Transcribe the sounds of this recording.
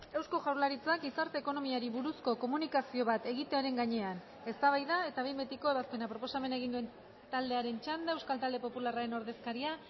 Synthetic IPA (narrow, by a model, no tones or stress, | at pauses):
e̞wsko̞ʝawlaɾit͡sak̚ɡisaɾt̪e̞ːko̞no̞miaɾiβuɾusko̞ko̞munikasio̞β̞at̪e̞ɣ̞it̪eoɾe̞ŋɡaɲe̞an | e̞st̪aβ̞ajðae̞t̪aβe̞jmbet̪iko̞e̞β̞aspe̞napɾo̞po̞same̞nae̞ɣind̪ue̞n | t̪ald̪e̞aɾe̞nt͡ʃand̪aewskalt̪ald̪e̞po̞pularaɾe̞no̞ɾðe̞skaɾia